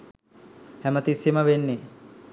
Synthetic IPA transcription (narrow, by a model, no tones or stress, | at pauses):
hæmət̪isiməʋenːe